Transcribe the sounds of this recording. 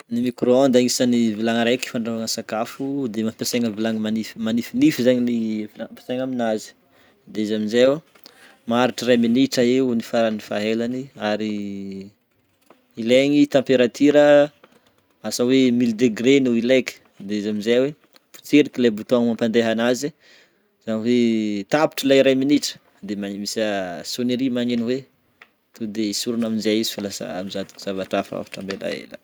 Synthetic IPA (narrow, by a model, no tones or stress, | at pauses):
nimikɾoɔnd̪aŋisanivilaŋəɾeki̥faɳɖ͡ʐaaŋəsakafud̪emapeseŋəvilaŋəmanifmanifinifizaɲinivilaape̥saŋaminazi̥ | d̪eizamizew | maɾiʈ͡ʂəɾaminiʈ͡ʂaeunifaɾanifaɦelaniaɾi | leŋit̪ãmpeɾat̪iɾə | asawemild̪eɡɾenuileki̥ | d̪eizamizajwe | pu̥t͡seɾikilebut̪oaŋmampand̪eɦanazi | z̥aniwet̪api̥ʈ͡ʂilaiɾajminiʈ͡ʂə̥ | d̪emaɲimisasoneɾimaɲeniwe | t̪ud̪eisuɾunaminzajizi̥falasa̰a̰mizat̪u̥ku̥z̥avaʈ͡ʂafa̰a̰fḁʈ͡ʂambela̰ḛla̰